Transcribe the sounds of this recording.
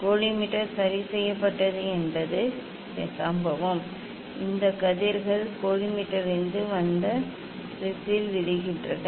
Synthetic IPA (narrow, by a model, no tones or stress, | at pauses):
koːɻimɪʈːɐɾsɐɾisɛjːɐpːɐʈːɐðɯɛnbɐðɯ | sambɐʋɐm | ʔɪnd̪ɐkɐðɪɾɣɐɭkoːɻɪmɪʈːɐɾɪnd̪ɯʋɐnd̪ɐ | ɪsɪlʋɪɻɪɣɪndrɐnɐ